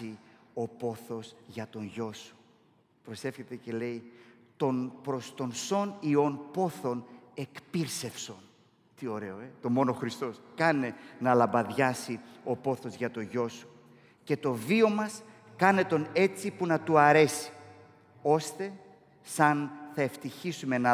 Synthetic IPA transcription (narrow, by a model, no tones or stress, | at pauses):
io̞po̞θo̞sʝɐt̪o̞nʝo̞su̥ | pɾo̞se̞fçe̞t̪e̞ce̞le̞i | t̪o̞npɾo̞st̪o̞nso̞nio̞npo̞θo̞ne̞kpiɾse̞fso̞n | t̪io̞ɾe̞o̞et̪o̞mo̞no̞xɾist̪o̞skɐne̞nɐlɐmbɐðʝɐsio̞po̞θo̞zʝɐt̪o̞ʝo̞su̥ | ce̞t̪o̞vio̞mɐs | kɐne̞t̪o̞ne̞t͡sipunɐt̪uɐɾe̞si̥ | o̞st̪e̞ | sɐnθɐe̞ft̪içisume̞nɐ